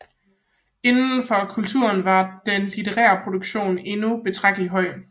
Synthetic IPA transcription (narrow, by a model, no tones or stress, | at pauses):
e̝nn̩fɒ̽kʰult͡sʰuɐnʋɑ̈d̥enlit͡sʰe̝ʁɛ̰ːɐpʰʁo̝d̥oɡ̥ɕo̝̰ːne̝nub̥e̝t͡sʰʁäɡ̥d̥liɦɒ̽ɪ̰